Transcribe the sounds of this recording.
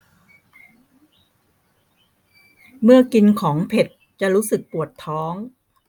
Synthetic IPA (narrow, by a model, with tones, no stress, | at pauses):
mɯ˥˩ɐki˧nkʰɔː˩˦ŋpʰe˨˩t̪̚ | t͡ɕa˨˩ɾuː˦˥sɯ˨˩k̚pu˨˩ət̪ʰːɔː˦˥ŋ